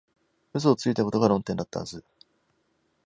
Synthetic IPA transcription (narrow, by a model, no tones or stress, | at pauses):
ɯs̬oːt͡sɨit̪ako̞t̪o̞ɡaɾõ̞nt̪ẽ̞nd̪at̪ːahazɨ